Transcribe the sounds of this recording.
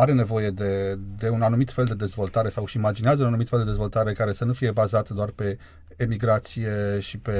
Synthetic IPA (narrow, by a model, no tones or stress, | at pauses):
aɾe̞ne̞vo̞je̞d̪e̞d̪e̞unanumit̪fe̞ld̪e̞d̪e̞zvo̞lt̪aɾe̞sawʃiːmad͡ʒineazəunanumit̪feld̪ezvo̞lt̪aɾe̞kaɾe̞sənufije̞bazat̪d̪oarpe̞ː | miɡɾat̪sije̞ʃipe̞